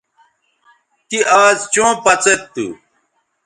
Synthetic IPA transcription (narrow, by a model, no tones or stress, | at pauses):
t̪iaːzt͡ɕõːpɐt͡set̪ːṵ